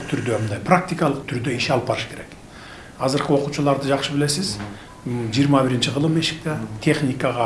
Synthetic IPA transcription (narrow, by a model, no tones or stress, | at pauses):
t̪ʰʏɾd̪emənd̪ɑjpʰrak̚t̪ijkɑlˠəqt̪ʰʏɾd̪e̞iʃɑlˠpɑɾəʃkʲʰe̞ɾe̞k | ɑzəɾqəwo̞qut͡ʃʊlˠɑɾd̪əʒɑqʃəbɪle̞sɪz | ʒijəɾmɑbɪɾɪnt͡ʃɪʁəlˠəme̞ʃɪ̥k̚t̪et̪ʰe̞χnijkɑʁɑ